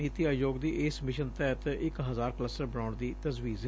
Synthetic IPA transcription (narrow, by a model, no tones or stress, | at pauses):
iːt̪iːaːjoːɡd̪iːʔeːsmɪʃənt̪ɛːt̪ɪkɦəzaːɾkələsəɾbəɽaːɳd̪iːt̪əzʋiːz